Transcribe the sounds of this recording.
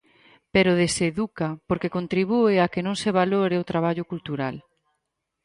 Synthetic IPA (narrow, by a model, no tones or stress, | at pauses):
peɾoðeseðukapoɾkekont̪ɾiβ̞ueakenõŋseβ̞aloɾeot̪ɾaβaʎʊkult̪uɾal